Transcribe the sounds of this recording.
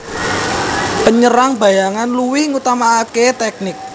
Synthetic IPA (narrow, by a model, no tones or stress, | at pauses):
pəɲəɾaŋb̥a̤jaŋanluwiŋut̪amaket̪ɛk̚nɪk̚